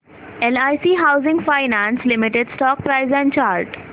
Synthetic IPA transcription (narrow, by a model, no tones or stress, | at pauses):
elaɪsiːɦaʊzɪ̃ŋɡfaɪnãːnslɪmɪʈeɖsʈɔːk̚pɾaɪzɛ̃ɳɖt͡ʃaːɾʈ